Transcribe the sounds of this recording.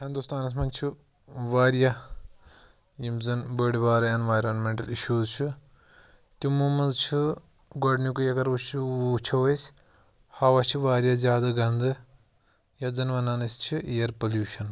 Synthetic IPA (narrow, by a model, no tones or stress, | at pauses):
hind̪ust̪aːnɐs̬mɐnt͡ʃʰɨ | ʋaːɾja | jimzɐnbəːɽibaːɾɐenʋaːjɾɐnmeɳʈɐliʃuːzt͡ʃʰu | t̪ʲimumɐnzt͡ʃʰi | ɡoɖnikujɐɡɐɾʋut͡ʃʰiut͡ʃʰɐʋɐsʲ | haːʋɐt͡ʃʰiʋaːɾjazʲjaːd̪ɐɡɐnd̪ɨ | jɐd͡zɐnʋɐnaːnɐsʲt͡ʃʰiʔijɐɾpɐljuːʃɐn